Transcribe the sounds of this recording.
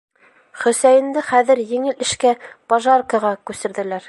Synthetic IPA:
χɵ̆sæjɘ̆nd̪ɘχæðɘ̆ɾjɘ̆ŋɘlɘ̆ʃkæpɑʒɑrkɑʁɑkʉsɘ̆ɾðɘ̆læɾ

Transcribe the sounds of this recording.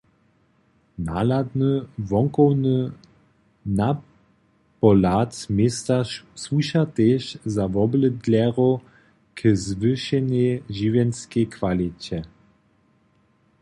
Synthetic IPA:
na̰lad̪nəvɔŋkɔwnə | na | pɔlat̪mest̪aswuʃat̪eʃzavɔbləd̪lʲɛʁɔ | kʰəzvɨʃɛneʒivjɛnskekʰvalit͡ɕɛ

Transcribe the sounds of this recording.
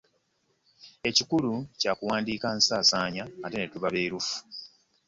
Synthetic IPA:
e̞cikulucaːkuwaːndiːkansaːsaːɲaːtenetuβaβe̞ːɾufu̥

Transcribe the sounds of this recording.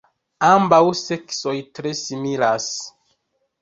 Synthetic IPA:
ambawse̞kso̞jtɾe̞similas

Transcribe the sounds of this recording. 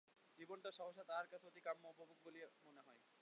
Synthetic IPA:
d͡ʑibonʈaɾʃɔɦoʃːat̪aaɾkat͡ɕʰeoʈikamːopobʱuk̚boliemoneɦɔe

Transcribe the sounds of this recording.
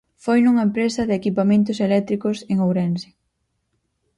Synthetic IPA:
fojnuŋɐempɾesɐðɪekipamẽnt̪ʊselɛk̚t̪ɾikʊseŋowɾɛnsɪ̥

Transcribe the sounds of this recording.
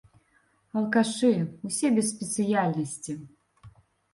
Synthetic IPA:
ɐlˠkaʂɨwsʲɛbʲɛsspʲɛt̪sɨjalʲnɐsʲt͡sʲi

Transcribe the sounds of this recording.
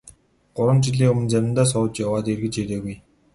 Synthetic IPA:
ɢ̥ʊɾwə̆nt͡ɕiɮiːŋɵmɘ̆nt͡sæmʲɪnt̪aːs̬ɔw̆t͡ɕjawaːt̪erɣɘ̆t͡ɕeɾeːɣuj

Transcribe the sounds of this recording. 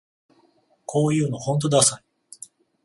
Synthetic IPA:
kʰo̞ːjɯ̟ːno̞hõ̞nt̪̬od̪asai

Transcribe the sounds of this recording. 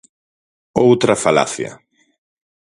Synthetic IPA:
owt̪ɾɐfala̰θja̰

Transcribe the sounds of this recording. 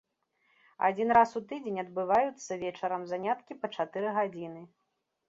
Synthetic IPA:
a̰d͡zʲin̪ɾasut̪ɨd͡zʲenʲɐd̪̚bɨvajut̪sːɐvʲɛt͡ʂɐɾɐmzanʲat̪kʲipɐt͡ʂat̪ɨɾɨɣad͡zʲinɨ

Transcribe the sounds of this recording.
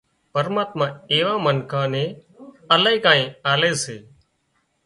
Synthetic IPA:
pəɾmaːt̪mãːeːʋãːmənkʰãːnẽː | əlaːiːkãːĩːaːleːseː

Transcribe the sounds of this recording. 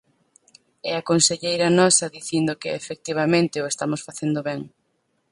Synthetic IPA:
ɛakonseʎejɾɐnɔsɐðiθind̪okeefek̚t̪iβ̞amẽnt̪ɪoest̪amosfaθend̪oβɛŋ

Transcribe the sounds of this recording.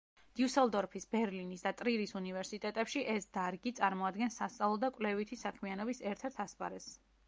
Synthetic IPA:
d̪̥iusɛlˠd̪ɔɾpʰisbɛɾlinisd̪at̪ʼɾiɾisunivɛɾsit̪ʼɛt̪ʼɛpʃiʔɛsd̪̥aɾɡit̪sʼaɾmɔad̪ɡɛnsast̪sʼavlˠɔd̪akʼvlɛvit̪ʰisakʰmianɔbisɛɾt̪ʰɛɾt̪ʰaspʼa̰ɾɛs

